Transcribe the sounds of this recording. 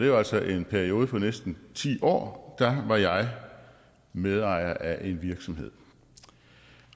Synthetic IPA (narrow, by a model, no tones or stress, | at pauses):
d̥e̝jaæl̰sɒʔe̝npʰæɐio̝ːðˠəpʰɒ̽nesd̥n̩t͡sʰḭːʔɒ̰ːd̥ɑʋɑ̈jɑ̈ɪ | með̞ˠɑ̈ɪ̰ɐʔæʔe̝nʋiɐɡ̥sɒ̽mɦe̝ð̰ˠ